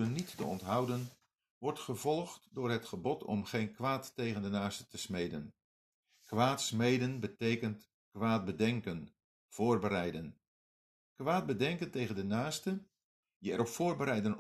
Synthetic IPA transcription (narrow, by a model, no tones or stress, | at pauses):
ənːitːə̰ɔntɦɑwdən | ʋɔɹtχəvɔlˠχtdʊːɹɦətχəbɔtʰɔ̰mχejnkʋaːtːejχəndənaːstə̥təsmejdən | kʋaːtsmejdənbətejkənt | kʋaːt̚bədɛŋkən | v̥ʊːrbəɾɛjdən | kʋaːd̚bədɛŋkəntejχəndənaːstə | jəɛɾɔpfʊːrbəɾɛjdən